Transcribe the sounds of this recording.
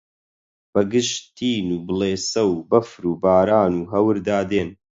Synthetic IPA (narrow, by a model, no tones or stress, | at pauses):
b̥ɐɡɨʃt̪iːnuːbɨlˠeːsɐwbɐfɾuːbaːɾaːnuːɦɐwɨɾd̪aːd̪eːn